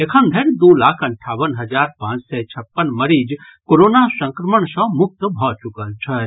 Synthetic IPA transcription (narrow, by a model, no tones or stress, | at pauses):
ekʰəmd̪ʱeɽd̪ulakʰəɳʈʰaːʋənɦəd͡ʒaɾpãːt͡ʃsɛt͡ʃʰɐpːənməɾid͡ʒ | koɾonasə̃ŋkɾəməɳ̃sə̃mʊk̚t̪bʱɔt͡ʃʊkəlt͡ʃʰɛ